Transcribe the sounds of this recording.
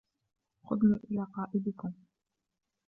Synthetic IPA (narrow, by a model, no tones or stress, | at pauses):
xʊd̪niːʔɪlaːqɑːʔɪd̪ɪkʊm